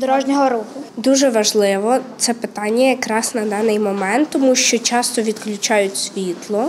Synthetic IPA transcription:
d̪ɔɾɔʒnʲɔɦɔɾukʊd̪uʒɛʋɐʒlˠɪʋɔt̪sɛpɪt̪ɑnʲːɐjɐkɾɑsnɐd̪ɑnɪjmɔmɛnt̪ːɔmuʃt͡ʃɔt͡ʃɑst̪ɔʋʲid̪klʲʊt͡ʃɑjʊtʲsʲʋʲit̪lˠɔ

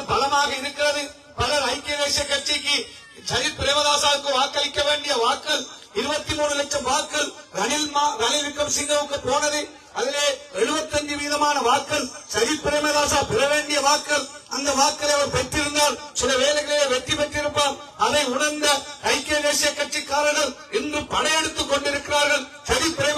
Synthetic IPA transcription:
bɐlɐmaːɣɐɪɾɯkːɪrɐðɯ | pɐlɐɾɐɪkːeɐɣeːsɪjɐkːɐʈ̚t͡ʃɪkːi | sɐɾɪpːɪɾeːmɐðaːsaːʋɯkːɯʋaːkːɐlɪkːɐʋeːɳɖɪjɐʋaːkːɐl | ɪɾɯbɐt̪ːimuːɳɯlɐʈ̚t͡ʃːɐmʋaːkːɐlɾɐnɪlmaːɾɐnɪʋɪkːɐmsɪŋɡɐʋɯkːɯpoːnɐðɯ | ɐðɪleːɛɻɯbɐt̪ːɐɲd͡ʒɯʋiːðɐmaːnɐʋaːkːɐlsɐɾɪpːɪɾeːmɐðaːsaːpɪɾɐʋeːɳɖɪjɐʋaːkːɐlɐnd̪ɐʋaːkːɐlɐɪɐʋɐɾpɛt̪ːɪɾɯnd̪aːɾsɪlɐʋeːlɐɣɐɭejeːʋɛʈ̪ːipɐʈːɪɾɯpːaːɾ | ɐðɐɪʊnɐɾnd̪ɐɐɪkːeːɣeːsɪjɐkːɐʈt͡ʃikːaːɾɐɾɣɐl | ɪndrɯpɐɳɐjɛɽɯt̪ːɯkːɔɳɖɪɾɯkːɪɾaːɾɣɐɭ | sɐɾɪpːɪɾe

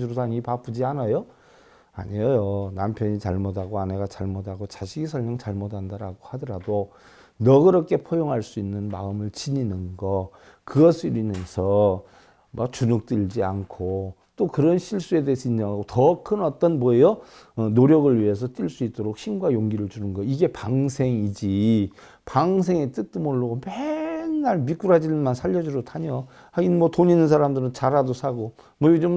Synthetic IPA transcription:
d͡ʑuɾosʰaɲiipapʰud͡ʑianajo | a̰ɲijojonampʰjʌɲit͡ɕaɭmʌdaɡoane̞ɡat͡ɕaɭmʌdaɡot͡ɕaɕʰiɡisʰʌɭmjʌŋt͡ɕaɭmʌdandaɾaɡohadʌɾado | nʌɡɯɾʌkʰe̞pʰojoŋɦaɭs͈uinːɯnma̰ɯmɯɭt͡ɕiɲinɯnɡʌ | kɯɡʌsʰɯɾimjʌnsʰʌ | mak̚t͡ɕunuk̚t͈ɯd͡ʑiankʰo | t͈okɯɾʌnɕʰiɭs͈ue̞deɦes͈ʰʌind͡ʑʌŋaɡotʌkʰɯnʌt͈ʌnmwʌejʌ | ʌnoɾjʌɡɯɭɥiɦe̞s̬ʰʌt͈iɭs͈uit̚t͈oɾok̚ɕʰinɡwajoŋɡiɾɯɭt͡ɕunɯnɡʌiɡe̞paŋsʰe̞ŋid͡ʑi | paŋs̬ʰe̞ŋet͈ɯk̚t͈umoɭːoɡobennaɭmik͈uɾad͡ʑinɯnmansʰaʎːʌd͡ʑuɾotʰaɲo | ainmwʌtoɲinɯnsʰaɾamdɯɾɯnt͡ɕaɾadosʰaɡo | mʌiɡed͡ʑom

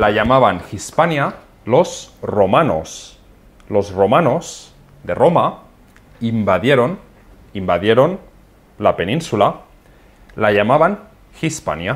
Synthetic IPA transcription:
laʎamaβanxispanja | lozromano̰s | lo̞zromanoz | d̪eroma | imbaðjeɾon | imbaðjeɾon | lapenĩnsula | laʎamaβan | xispa̰nja

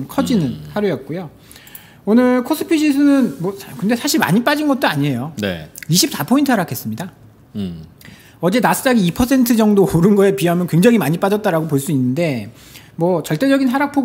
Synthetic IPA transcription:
mkʰʌd͡ʑinɯnhaɾjojʌt̚k͈ojo | onɯɭkʰos͈ʰɯ̥pʰiɕʰisʰɯnɯnmʌskɯnde̞sʰaɕʰiɭma̰ɲip͈ad͡ʑinɡʌt̚t͈oaɲiɦe̞jonḛiɕʰip̚s͈apʰointʰɯɦaɾakʰe̞s͈ɯmɲida | ʌd͡ʑe̞nasʰɯ̥d͡ʑ͈aɡiipʰʌsʰe̞ntʰɯd͡ʑʌŋdooɾɯnɡʌepiamjʌnkwe̞ŋd͡ʑaŋimaɲip͈ad͡ʑʌt̚t͈aɾaɡopoɭs͈uinːɯnde̞ | mwʌt͡ɕʌɭt͈e̞d͡ʑʌɡinɦaɾak̚pʰoɡ

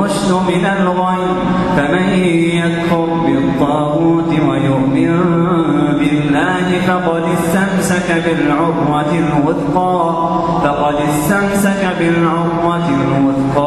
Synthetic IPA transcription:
ʊʃt̪ʊmɪnalɾˤɑj | famajjad̪hʊlbɪt̪ˤːɑːɣuːt̪wajʊhmɪn | bɪlːaːɦɪfaqɑd̪ɪst̪amsakabɪlʕʊmwa | lwʊd̪qɑː | fɑqɑd̪ɪst̪amsakabɪlʕʊmːa | lwʊd̪qɑː

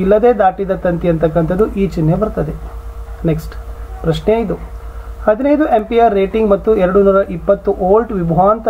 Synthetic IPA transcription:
ilːɐd̪e̞ːd̪aːʈid̪ɐt̪ɐnt̪iɐnt̪ɐkːɐnt̪ʰɐd̪ːuʔiːt͡ʃinːebɐɾt̪ɐd̪eneksʈpɾɐʂɳejid̪uhɐd̪inɐjd̪uʔempijaːɾːeːʈiŋɡmɐt̪ːuɛɾɐɽunuːɾɐʔipːɐt̪ːuʔoːlɖʋibʱɐʋaːnt̪ɐ

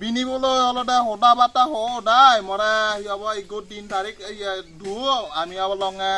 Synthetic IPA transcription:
binibɔlojɔlɔdɛɦɔdabataɦɔdajmɔɾɛhiabɔiɡot̚dintaɹikiadʱuamiabɔlɔŋɛ

